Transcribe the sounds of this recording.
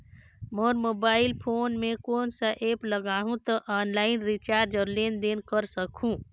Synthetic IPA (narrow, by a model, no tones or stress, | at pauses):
moːɾmoːbaːɪlpʰoːnmẽkoːnsɐʔeːpləɡaːɦũt̪ɐʔaːnlaːɪnɾit͡ʃaːɾd͡ʒəɾleːnd̪eːnkəɾsəkʰũ